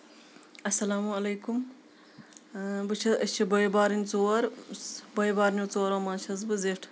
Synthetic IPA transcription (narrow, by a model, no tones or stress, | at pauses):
ɐsɐlaːmuɐlɐjkum | bɨt͡ʃʰɐɐt͡ʃʰɐbɐjbaːɾinʲt͡soːɐɾbɐjbaːɾnot͡soːɾomaːnt͡ʃʰɐzbɨzeʈʰ